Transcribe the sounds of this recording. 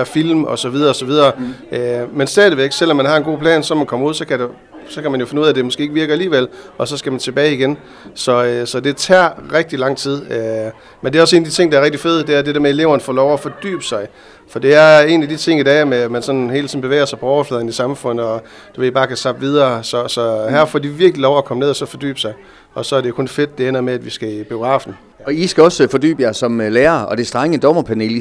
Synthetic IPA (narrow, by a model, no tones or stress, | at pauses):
filmɒ̽sɒ̽ʋið̞ˠɐːsɒ̽ʋið̞ˠɐːømensd̥ɛːðˠʋeɡ̥sel̰ɒmːænhɑ̈e̝nɡ̥o̝̰ːpʰlɛ̰ːnsɒmænkʰɒ̽muð̰ˠsɒ̽kʰæd̥e | sɒ̽kʰæmænjofe̝nəuðˠæd̥e̝mɔ̽sɡ̥e̝ːeɡ̥ʋiɐɡ̥ɐæliːʋel̰ʔɒ̽sɒ̽sɡ̥æmænt͡sʰe̝b̥ɛːɪiɡ̥en | sɒ̽sɒ̽d̥e̝t͡sʰæɐ̰ʁeɡ̥̚d̥ilɑ̈ŋ̰t͡sʰið̞̰ˠø | mendeæɒ̽se̝ːnæd̥it͡sʰe̝ŋ̰d̥ɑɐʁeɡ̥̚d̥ife̝ðˠd̥e̝æɐd̥e̝deɐmee̝le̝ʊɐnəfɔ̰̽ːlɒʊæfɒ̽d̥y̰ːb̥əsɑ̈ɪ | fɒ̽d̥e̝æɐe̝ːnæd̥it͡sʰe̝ŋ̰idɛmemænsɒ̽nnhe̝ːlt͡sʰiðːn̩be̝ʋḛːɪɐsɑɪpʰɒɒʊɐflɛðˠnisɑ̈mfɔ̽n̰ð̩ˠɒ̽ | d̥eʋeibɑ̈ːkʰæsɑ̈b̥ʋið̞ˠɐːsɒ̽sɒ̽hæɐ̰fɒ̰ːd̥iʋiɐɡ̥lilɒʊækʰɒ̽məne̝ðˠɒsɒ̽fɒ̽d̥y̰ːb̥əsɑ̈ɪ | ɒ̽sɒ̽æɐɾe̝kʰɔ̽nfe̝d̥ːe̝en̰ɐmeæd̥ʋisɡ̥æib̥io̝ɡ̥ʁɑ̰̈ːfn̩ | ɒ̽isɡ̥æɒ̽sfɒ̽d̥y̰ːb̥əjæsɒ̽mleːɐɒ̽d̥e̝sd̥ʁaŋəd̥ɒmɐpʰæne̝l